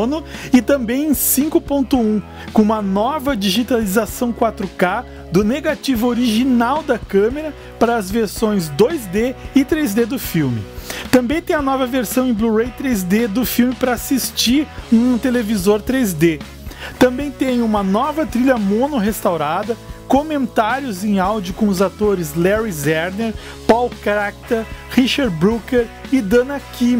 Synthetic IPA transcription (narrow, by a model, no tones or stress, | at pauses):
nʊɪt̪ɐ̃mbẽj̃ẽj̃sĩŋkʊpõnt̪ʊũ | kõũmɐnɔvɐd͡ʒiʒit̪alizasɐ̃w̃kwat̪ɾʊka | d̪ʊneɡat͡ʃivʊoɾiʒinawd̪ɐkɐ̃meɾɐ | paɾɐːzveɾsõj̃zd̪ojzd̪eɪt̪ɾejzd̪ed̪ʊfiwmɪ̰t̪ɐ̃mbẽj̃t̪ẽj̃ɐnɔvɐveɾsɐ̃w̃ẽj̃bluʁejt̪ɾezd̪ed̪ʊfiwmɪpɾɐasist͡ʃiɾnũt̪elevizoɾt̪ɾezd̪e | t̪ɐ̃mbẽj̃t̪ẽj̃ũmɐnɔvɐt̪ɾiʎɐmõnʊɦest̪awɾad̪ɐkomẽnt̪aɾjʊzẽj̃awd͡ʒʊkõʊzat̪oɾɪzlɛɾizɛɾneɾ | pawkɾak̚t̪ɐhiʃaɾbɾukeɾɪd̪ɐ̃nɐkĩm